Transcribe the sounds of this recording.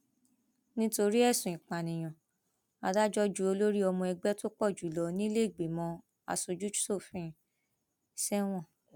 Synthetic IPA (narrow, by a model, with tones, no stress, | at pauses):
nĩ˦to˧ɾi˦ɛ˦˨sũ˨ĩ˨k͡pa˨nĩ˨j̃ɔ̃˨ | a˨da˦d͡ʒɔ˦d͡ʒu˦o˧lo˦ɾi˦ɔ˧mɔ̃˧ɛ˧ɡ͡bɛ˦to˦k͡pɔ˦˨d͡ʒu˨lɔ˨˦nĩ˦le˦˨ɡ͡be˨mɔ̃˨˧ | a̰˧˨so˧d͡ʒu˦d͡ʒu̥˦so˦˨fĩ˦˨ | sɛ˦w̃ɔ̃˦˨